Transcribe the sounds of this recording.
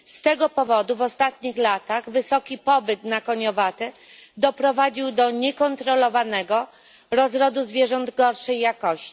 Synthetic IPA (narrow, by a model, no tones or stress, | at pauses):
st̪ɛɡɔpɔvɔd̪uvɔst̪at̪̚ɲixlat̪aɣvɘsɔkʲipɔbɘt̪nakɔɲɔvat̪ɛd̪ɔpɾɔvad͡ʑiwd̪ɔɲɛkɔnt̪ɾɔlɔvanɛɡɔ | ɾɔzɾɔd̪uzvʲjɛʐɔnd̪ɡɔɾʂɛjːakɔɕt͡ɕi̥